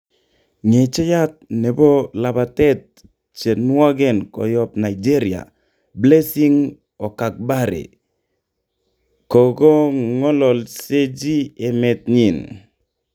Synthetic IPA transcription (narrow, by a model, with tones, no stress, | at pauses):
ŋe˨t͡ʃe˦ja˦t̚nɛ˨bɔ˦la˨ba˨tɛ˦t̚ | t͡ʃe˨nwɔ˦ɡɛ˦˨nkɔ̰˨jɔ˦pna˨id͡ʒe˦ɾi˨a̰˨ | ble˦si˦ŋ | ɔ˨ka˨k̚ba˦ɾḛ˨ | kɔ˨ɡɔ˦ŋɔ˦lɔ˨lse˦d͡ʒi˦e˨mɛ˨t̪̚ɲi˨n